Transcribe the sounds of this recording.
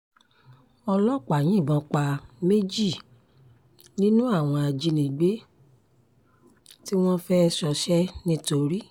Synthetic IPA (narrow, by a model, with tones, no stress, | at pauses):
ɔ˧lɔ˦˨k͡pa˨j̃ĩ˨˦˨bɔ̃˨˧k͡pa˧me˦d͡ʒi˦˨ | nĩ˦nũ˦a˦˨w̃ɔ̃˧a˨d͡ʒi˧nĩ˨ɡ͡be˦ | ti˦w̃ɔ̃˦fɛ˦˧˦ʃɔ˧ʃɛ˦nĩ˦to˧ɾi˦